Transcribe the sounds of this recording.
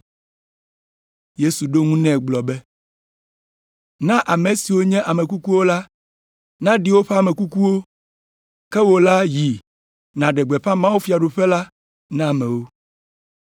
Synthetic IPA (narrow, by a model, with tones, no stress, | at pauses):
je˦su˨ɖo˦ŋũ˦nɛ̃˦˨ɡ͡blɔ˨bɛ˦ | nã˦ʔa˨mẽ˨si˨wo˦ɲɛ̃˦ʔa˨mɛ̃˨ku˦ku˦wo˦la˦ | nã˦ɖi˦wo˦ɸɛ˦a˨mɛ̃˨ku˦ku˦wo˦ | kɛ˦wo˨la˦ji˨ | nã˨ɖɛ˨ɡ͡bɛ˨ɸã˦mã˦wu˦fi˦˨a˨ɖo˨ɸɛ˦la˦ | nã˦˨mɛ̃˨wo˦